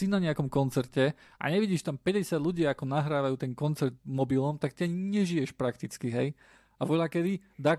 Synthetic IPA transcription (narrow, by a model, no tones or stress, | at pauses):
sinaɲɛakɔmkɔnt͡sɛɾcɛʔa̰ɲɛʋiɟiːʃt̪ampɛɟɛsɪad̪lʎuɟɪaakɔnaɦɾaːʋajuːt̪ɛnkɔnt͡sɛɾd̪mɔbilɔmt̪aktiaɲiɲɛʒijɛʃpɾakt̪it͡skiɦɛj | aʋʊɔʎakɛd̪i | d̪a